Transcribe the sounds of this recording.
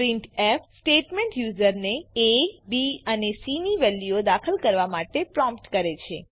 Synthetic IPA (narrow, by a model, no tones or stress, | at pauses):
pɾĩɳʈefʰsʈeʈmẽɳʈjuzəɾneebiənesimiʋɛlːiod̪akʰəlkəɾʋamaʈepɾɔ̃mpʈkəɾet͡ʃʰe